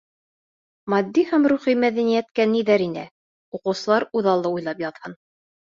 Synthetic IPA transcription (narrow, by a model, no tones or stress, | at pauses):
mɑd̪ːihæmɾuχimæðænijæt̪kæniðæɾinɘ̰ | uqɤ̆wsɤ̆lˠɑɾuðɑlˠːɤujlˠɑpjɑðhɤn